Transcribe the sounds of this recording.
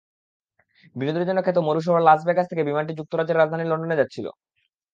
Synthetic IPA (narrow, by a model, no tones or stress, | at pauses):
binod̪ɾid͡ʑonokʰːet̪̬omoɾuʃ̬ɔɦaɾlasbekat͡ɕt̪ʰekebimaɳʈ̬id͡ʑuk̚t̪oɾad͡ʑeɾad͡ʑd̪ʱaniɾloɳɖoned͡ʑatːɕʰilo̰